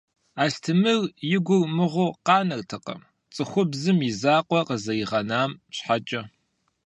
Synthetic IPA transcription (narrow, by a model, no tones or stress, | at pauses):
aːɬtʰɨmɨrjɪɡʷʊrmɨʁʷʊqɑːnɐrtʰɨqɐ̰m | t͡sʼɨxʷʊbzɨmjɪzaːqʷʼɔqəzɐjɪʁɐnaːmɕħat͡ʃʼɐ